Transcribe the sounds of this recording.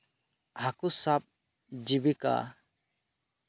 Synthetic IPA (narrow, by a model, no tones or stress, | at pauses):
hakusap̚ | d͡ʒibika̰